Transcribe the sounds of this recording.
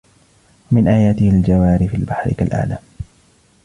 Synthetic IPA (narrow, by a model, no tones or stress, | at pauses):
wamɪnʔaːjaːt̪ɪhald͡ʒawaːɾɪfilbaħɾɪ̰ka̰lʔa̰ʕlaː